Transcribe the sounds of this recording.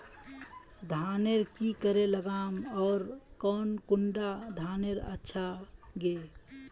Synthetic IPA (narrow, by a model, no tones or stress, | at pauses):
d̪ʱaneɾkikəɾeləɡamɔːɾkɔːnkuɳɖad̪ʱaːneɾə̰tːʃʰaɡe